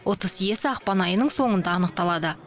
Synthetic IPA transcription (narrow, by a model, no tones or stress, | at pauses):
wʔot̪əzje̞sɪɑqpɑnɑjənəɴso̞ɴənd̪ɑːnəq̚t̪ɑlˠɑd̪ə